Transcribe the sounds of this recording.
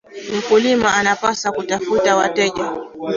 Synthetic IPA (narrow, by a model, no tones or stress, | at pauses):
m̩kulimaʔanapasakutafutawatɛʄa